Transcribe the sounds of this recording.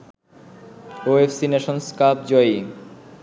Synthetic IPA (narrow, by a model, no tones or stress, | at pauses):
oefsineʃonskapd͡ʑɔi